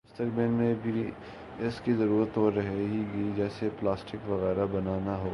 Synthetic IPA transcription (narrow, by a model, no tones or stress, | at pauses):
ɪst̪ɐkbɪlmẽbʱi | ɪskizɐɾuːɾət̪ɦoɾɐɦeɦiɡid͡ʒɛːseplaːsʈɪkʋɐɣɛːɾabɐnaːnaɦoː